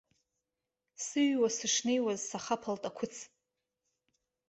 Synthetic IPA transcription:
sɨɥwasɨʂnejwazsaχapʰaltʼakʷʰʊt͡sʰ

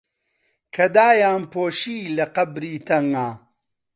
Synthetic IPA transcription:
kʰɐd̪aːjaːnpoːʃiːlɐqɐbɾiːt̪ʰɐŋaː

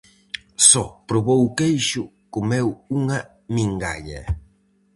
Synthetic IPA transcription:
sɔpɾoβowkejʃʊ | komewuŋa | mĩŋɡa̰ʎa̰

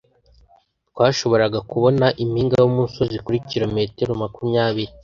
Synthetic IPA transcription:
t̚kwaːʃo̞βo̞ɾaɡakuβo̞naʔimhiːŋɡajomunso̞zikuɾikiɾome̞teɾomakumɲaːβiɾi

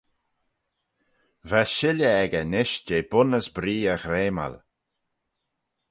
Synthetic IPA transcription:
vɛʃɪlʲəɛɡənɪʃd͡ʒeːbʊnəsbɾiːəxɾeːma̰l

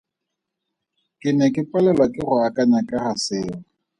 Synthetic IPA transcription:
kʼɪnɛkʼɪpʼalɛlwakʼɪrʊakʼaɲakʼahasɪːŋa

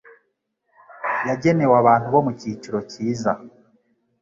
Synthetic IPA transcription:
jaɟe̞ne̞waβaːn̥huβo̞muciːt͡ʃiɾo̞ciːza

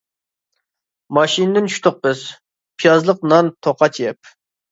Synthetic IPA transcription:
mɑʃinɨd̪ɪnt͡ʃʰy̥ʃt̪ʰʊq̚bɨz̥ | pʰijɑzlˠəqnɑnt̪ʰoqʰɑt͡ʃʰjɛp̚

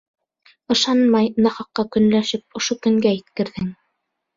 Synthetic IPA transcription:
ɤ̆ʃɑnmɑjnɑχɑqːɑkɵ̆nlæʃɘp̚ŏʃokɵ̆ŋɡæjɘ̆t̪kɘ̆ɾðɘŋ

